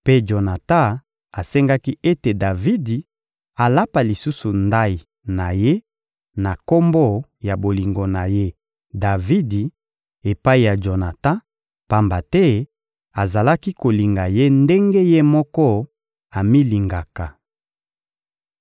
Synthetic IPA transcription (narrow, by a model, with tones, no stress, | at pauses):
pe˦d͡ʒo˨na˨ta˦ | a˨sɛ˦ŋɡa˦ki˦e˦te˨da˨vi˦di˨ | a˨la˦pa˨li˨su˦su˨nda˦i˨ | na˨je˦ | na˨ko˦mbɔ˦ja˨bo˨li˨ŋɡo˨na˨je˦ | da˨vi˦di˨ | e˨pa˦i˨ja˨d͡ʒo˨na˨tã˦ | pa˦mba˨tɛ˦ | a˨za˨la˦ki˦ko˨li˨ŋɡa˨je˦nde˦ŋɡe˦je˦mɔ˦kɔ˦ | a˨mi˦li˨ŋɡa˨ka˨